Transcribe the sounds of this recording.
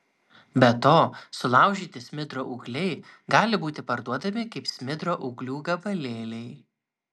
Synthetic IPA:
bʲɛt̪oːsʊlˠɑˑʊʒʲiːt̪ʲɪsʲmʲɪd̪ɾoːʔʊɡlʲɛɪ | ɡɑːlʲɪbuːt̪ʲɪpɐɾd̪uɔd̪ɐmʲɪkɐɪpsʲmʲɪd̪ɾoːʔʊɡlʲuːɡɐbɐlʲeːlʲɛɪ

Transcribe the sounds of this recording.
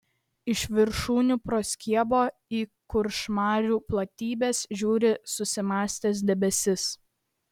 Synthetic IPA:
ɪʃʋʲɪɾʃuːnʲuːpɾoːsʲkʲiɛboːiːkʊɾʃmɑːɾʲuːplˠɐt̪ʲiːbʲeːsʒʲuːɾʲɪsʊsʲɪmɑːsʲt̪ʲeːs̬d̪ʲɛbʲɛsʲɪs

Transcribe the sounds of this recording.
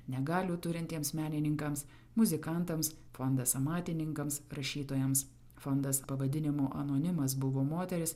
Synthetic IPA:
nʲɛɡɑːlʲuːt̪ʊɾʲɪnʲt̪ʲiɛmsmʲæːnʲɪnʲɪŋkɐms | mʊzʲɪkɐnˑt̪ɐms | fɔnd̪ɐsɐmɑːt̪ʲɪnʲɪŋkɐmsɾɐʃʲiːt̪oːjɛms | fɔnd̪ɐspɐʋɐd̪ʲɪnʲɪmoːʔɐnoːnʲɪmɐs̬bʊʋoːmoːt̪ʲɛɾʲɪs

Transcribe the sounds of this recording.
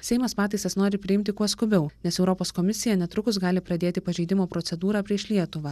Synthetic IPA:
sʲɛɪmɐspɑːt̪ɐɪsɐsnoːɾʲɪpʲɾʲɪɪmʲt̪ʲɪkuɔskʊbʲɛʊnʲɛsɛʊɾɔpoːskɔmʲɪsʲɪjɛnʲɛt̪ɾʊkʊsɡɑːlʲɪpɾɐd̪ʲeːt̪ʲɪpɐʒʲɛɪd̪ʲɪmoːpɾɔt̪ʲɛd̪uːɾɑːpʲɾʲiɛʃlʲiɛt̪ʊʋɑː

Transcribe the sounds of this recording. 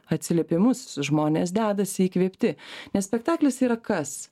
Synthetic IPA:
ɐt̪ʲsʲɪlʲeːpʲɪmʊsʒmoːnʲeːsd̪ʲæːd̪ɐsʲɪiːkʋʲeːpʲt̪ʲɪnʲɛssʲpʲɛkt̪ɑːklʲɛsiːɾɐkɐs

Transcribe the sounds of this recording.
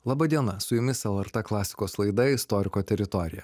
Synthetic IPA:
lˠɑːbɐd̪ʲiɛnɐsʊjʊmʲɪssɛlˠɛɾt̪ɛklˠɑːsʲɪ̥koːslˠɐɪd̪ɐɪst̪ɔɾʲɪkoːt̪ʲɛɾʲɪt̪ɔɾʲɪjɛ̰

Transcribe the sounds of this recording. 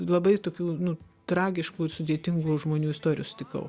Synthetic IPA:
lˠɐbɐɪt̪oːkʲuːnʊ | t̪ɾɑːɡʲɪʃkuːɪsʊd̪ʲeɛt̪ʲɪŋɡuːʒmoːnʲuːɪst̪oːɾʲɪjuːsʲt̪ʲɪkɐ̰ʊ

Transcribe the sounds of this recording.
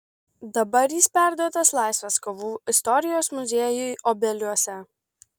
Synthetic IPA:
d̪ɐbɐɾjiːspʲæˑɾd̪uɔt̪ɐslˠɑˑɪsʲʋʲɐskoʋuːɪst̪ɔɾʲɪjoːsmʊzʲeɛjʊɪʔɔbʲɛlʲuɔsʲɛ

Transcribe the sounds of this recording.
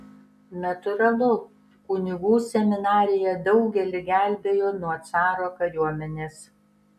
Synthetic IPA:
nʲɐt̪ʊɾɐlˠʊ | kʊnʲɪɡuːsʲɛmʲɪnɑːɾʲɪjɛd̪ɒʊɡʲɛlʲɪɡʲæˑlʲbʲeːjoːnuɔt̪sɑːɾoːkɐjuɔmʲɛnʲeːs

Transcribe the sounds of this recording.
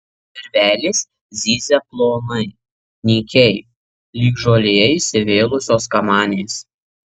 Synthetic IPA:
ɛɾʲʋʲæːlʲɪs | zʲiːzʲɛplˠoːnɐɪ | nʲiːkʲɛɪ | lʲiːɡʒoːlʲeːɛɪsʲɪʋʲeːlˠʊsʲoːskɐmɑːnʲes

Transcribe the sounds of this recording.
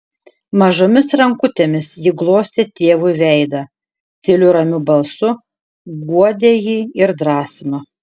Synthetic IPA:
mɐʒoːmʲɪsɾɐŋkʊt̪ʲeːmʲɪsjɪɡlˠoːsʲt̪ʲeːt̪ʲeːʋʊɪʋʲɛɪd̪ɐ | t̪ʲɪlʲʊɾɐmʲʊbɐlˠsʊ | ɡuɔd̪ʲeːjiːɪɾd̪ɾɑːsʲɪmɐ

